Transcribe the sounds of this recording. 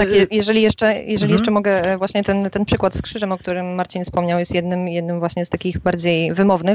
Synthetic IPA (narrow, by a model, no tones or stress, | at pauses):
t̪akjɛjɛʐɛlʲijɛʂt͡ʂɛjɛʐɛlʲijɛʂt͡ʂɛmɔɡɛvwaɕɲɛt̪ɛnt̪ɛnpʂɘkwat̪skʂɘʐɛmɔk̚t̪uɾɘmːaɾt͡ɕinfspɔmɲawjɛst̪jɛd̪nɘmjɛd̪̚nɘmvwaɕɲɛst̪akʲiɣbaɾd͡ʑejvɘmɔvnɘx